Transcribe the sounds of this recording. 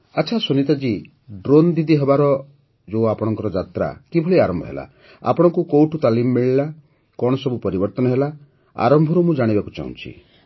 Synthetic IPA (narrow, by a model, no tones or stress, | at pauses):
at͡ʃʰasunit̪ad͡ʒi | ɖɾond̪id̪iɦebaɾɔ | d͡ʒoapɔɽ̃ɔŋkɔɾɔd͡ʒat̪ɾa̰kibʱɔɭiaɾɔmbʱɔ̰ɦela̰ | a̰pɔɽ̃ɔŋkukowʈut̪alimɔːiɭila | kɔɽ̃ɔsɔbupɔɾibɔɾt̪ɔnɔɦela | a̰ɾɔmbʱɔɾumũd͡ʒaɽ̃ibaku̥t͡ʃa̰ṵ̃t͡ʃʰḭ